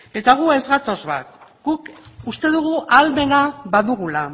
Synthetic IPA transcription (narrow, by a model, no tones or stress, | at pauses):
e̞t̪aɣ̞ue̞zɣat̪o̞zβa̰t̪ɡ̥ukust̪e̞ðuɣ̞uʔalme̞naβaðuɣula